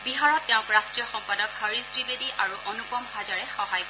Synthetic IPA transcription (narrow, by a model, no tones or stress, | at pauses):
biɦaɹɔtːɛʊ̃kɹastɹijɔxɔmpadɔkɦəɹisdibediʔaɹuʔɔnukɔmbʱazaɹɛxɔɦajk